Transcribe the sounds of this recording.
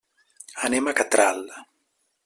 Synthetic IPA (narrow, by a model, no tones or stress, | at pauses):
anemakat̪ɾalːa